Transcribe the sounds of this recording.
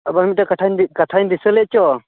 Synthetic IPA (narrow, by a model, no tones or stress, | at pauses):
abamit̚takaʈʰaɲkatʰaɲd̪isəlɛʔ̚t͡ʃɔ